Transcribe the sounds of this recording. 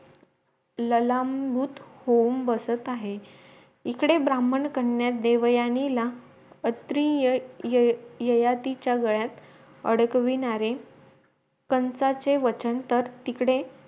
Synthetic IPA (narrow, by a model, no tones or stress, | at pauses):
ləlambʱuːt̪houmbəsət̪aɦe | ikɽebɾaməɳkəɳjat̪̚d̪eʋjanila | ət̪ɾijjəjat̪it͡ɕjaɡəɭjat̪ | ə̰ɽəkʋinaɾe | kənt͡sat͡seʋət͡ɕənt̪əɾt̪ikɽe